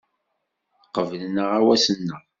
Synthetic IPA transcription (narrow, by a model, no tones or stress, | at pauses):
qəvəlnəʁawæsənːəʁ